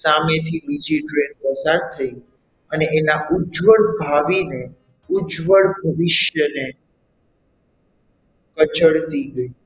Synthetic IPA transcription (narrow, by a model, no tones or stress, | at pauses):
samet̪ʰibid͡ʒiʈɾenpəsaɾt̪ʰəi | əneʔenaʔud͡ʒʋəɭbʱaʋine | ʊd͡ʒʋəɭbʱəʋɪʃjəne | kət͡ʃəɭt̪iɡəi